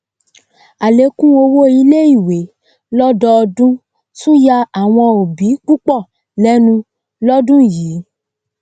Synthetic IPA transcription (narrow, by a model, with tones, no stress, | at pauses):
a˨le˨˦kũ˦o˧wo˦i˧˦le˦i˦˨we˨˦ | lɔ˦dɔ˧˦ɔ˧dũ˦ | sũ˦ja˧a˨w̃ɔ̃˧o˨bi˨˦k͡pu˦k͡pɔ˦˨ | lɛ˦nũ˧ | lɔ˦dũ˦˨jiː˨˦